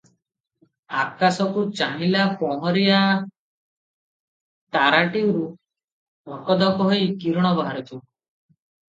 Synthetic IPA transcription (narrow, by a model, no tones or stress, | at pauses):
akasɔkut͡ʃaɦilapɔɦɔɾija | t̪aɾaʈiɾu | bʱɔkɔd̪ɔkɔɦojkiɾɔɽ̃ɔbɔɦaɾit̪ʰu